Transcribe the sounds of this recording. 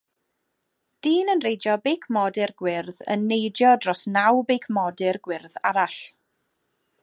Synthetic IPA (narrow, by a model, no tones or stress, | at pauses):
d̥iːnənrejdjɔbejkʰmɔdɪrɡwɪrðə̰nːejdjɔdrɔsnawbekʰmɔdɪrɡwɪrðaɾaɬ